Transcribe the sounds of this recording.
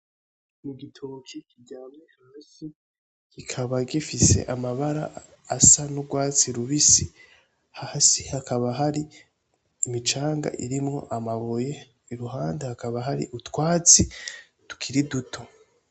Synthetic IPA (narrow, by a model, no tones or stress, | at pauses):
niɡitʰokʰikiɟaːmnehahsi | ɡ̥ikʰaβaɡifise̞̰ʔamaβaɾa | asanuɡwaːt͡siɾuβisi | hasihakʰaβaɦaɾiː | mit͡ʃaːŋɡa̰ʔiɾimŋo̞̰ʔamaβoje̞ | iɾuɦaːndehakaβaɦaɾḭʔutwaːt͡si | tu̥kʰiɾidutʰo̞